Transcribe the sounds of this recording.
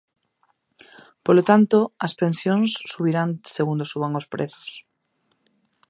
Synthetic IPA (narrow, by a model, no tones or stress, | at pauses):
polot̪ant̪oɐspensjõnsːuβ̞iɾaŋseɣund̪osuβaŋospɾʔeθo̥s